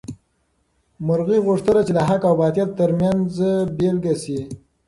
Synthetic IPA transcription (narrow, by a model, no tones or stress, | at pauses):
mʊɾɣiɣʊʂt̪ənat͡ʃelaɦakawbɑt̪jat̪ːəɾmjanzbelɡasi